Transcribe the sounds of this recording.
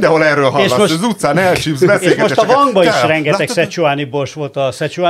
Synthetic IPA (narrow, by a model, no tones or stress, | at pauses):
d̪ɛɦolɛrøːlɦɒʃlːɒoøzut̪saːnɛlʃibzbɛseʃɡmoʃɛt̪ɒvɒŋɡbɒʃrɛŋɡɛɛksɛt͡ʃuaːniborʃʋo̞lt̪ɒsɛt͡ʃuaː